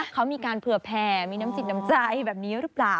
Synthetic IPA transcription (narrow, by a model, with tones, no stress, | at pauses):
kʰa˦˥wmiː˧kaː˧npʰɯ˨˩əpʰɛː˧˩miː˧naː˦˥msi˨˩na˦˥mt͡ɕa˧jbɛː˨˩p̚niː˦˥ɾɯ˦˥plaː˨˩w